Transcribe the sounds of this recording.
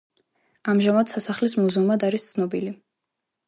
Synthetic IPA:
amʒamad̪̥sasaχlis̬muzumad̪aɾist̪sʰnɔbili

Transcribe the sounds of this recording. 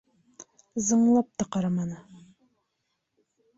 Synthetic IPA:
zɤ̆ɴlˠɑp̚t̪ɑqɑɾɑmɑnɤ

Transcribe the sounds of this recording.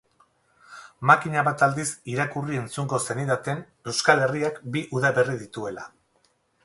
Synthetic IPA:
makiɲaβat̪ald̪isiɾakurie̞nt͡suŋɡo̞se̞nit̪at̪e̞n | e̞wskale̞riakbiʔuðaβe̞rið̞it̪ue̞la̰

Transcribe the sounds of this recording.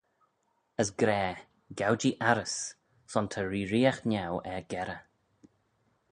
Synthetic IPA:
əsɡɾɛː | ɡawd͡ʒiʔaɾəs | sɔntʰəɹiːɾiːaxnawɛɡɛɾə

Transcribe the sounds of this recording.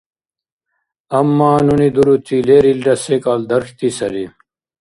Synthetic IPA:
ɐmːaːnunid̪uɾut̪ileːɾilɖɐsekaːld̪ɐɾʂt̪isɐɾi

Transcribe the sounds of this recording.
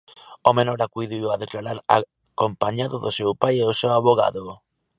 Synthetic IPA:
omenɔɾakujðiwaðeklaɾaɾa̰ | kompaɲaðʊðosewpajeosewaβoɣa̰ðʊ

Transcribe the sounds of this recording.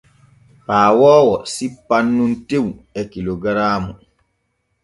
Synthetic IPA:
paːwɔːwɔsipːanːuntewɛkiloɡɾaːmu

